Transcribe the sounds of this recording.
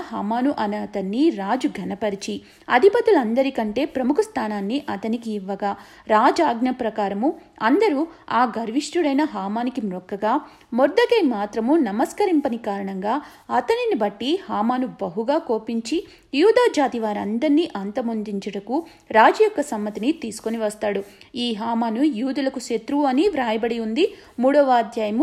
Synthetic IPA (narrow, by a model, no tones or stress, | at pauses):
ɦaːmaːnuʔɐnɐt̪ɐnːiɾaːd͡ʒuɡʱɐnɐpɐɾit͡ʃi | ɐd̪ʱipɐt̪ulɐnd̪ɐɾikɐɳʈe̞ːpɾɐmukʰust̪ʰaːnaːnːiʔɐt̪ɐnikiːʋːɐɡaː | ɾaːd͡ʒaːɡnɐpɾɐkaːɾɐmuɐnd̪ɐɾuaːɡɐɾʋiʂʈuɽɐjnɐɦaːmaːnikimɾɔkːɐɡaː | mɔɾd̪ɐkeːmaːt̪ɾɐmunɐmɐskɐɾimpɐnikaːɾɐɳɐŋɡaː | ɐt̪ɐninibɐʈːihaːmaːnubɐɦuɡaːko̞ːpiɲt͡ʃi | juːd̪aːd͡ʒaːt̪iʋaːɾɐnd̪ɐɾniʔɐnt̪ɐmond̪iɲt͡ʃɐɽɐku | ɾaːd͡ʒɐjɔkːɐsɐmːɐt̪init̪iːsu̥koniʋɐst̪aːɽuiːɦaːmaːnujuːd̪ulɐkuʃet̪ɾuɐniʋɾaːjɐbɐɽiund̪i | muːɽɔʋaːɐd̪jaːjɐmu